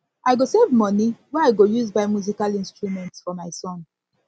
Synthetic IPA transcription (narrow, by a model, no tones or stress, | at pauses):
aɪɡosevmɔniwɛaɪɡojuzbaɪmjuzikalĩnstɹumɛ̃ntsfɔmaɪsɔ̃n